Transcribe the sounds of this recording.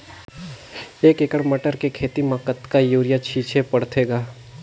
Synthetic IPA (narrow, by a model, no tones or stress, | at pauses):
eːkekəɽmɐʈəɾkekʰeːt̪imãkət̪kajuːɾɪjat͡ʃʰiːt͡ʃʰepɐɽt̪ʰeːɡaː